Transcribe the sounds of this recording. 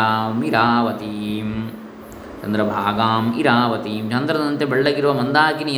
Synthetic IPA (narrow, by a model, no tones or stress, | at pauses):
aːmiɾaːʋɐt̪iːm | t͡ʃɐnd̪ɾɐbʱaːɡaːmiɾaːʋɐt̪iːmt͡ʃɐnd̪ɾɐd̪ɐnt̪ebɐɭːɐɡiɾuʋɐmɐnd̪aːkinijɐ